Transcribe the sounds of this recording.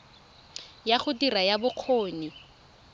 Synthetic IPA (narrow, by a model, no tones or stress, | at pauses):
jaχʊdirajabʊq͡χʰoːni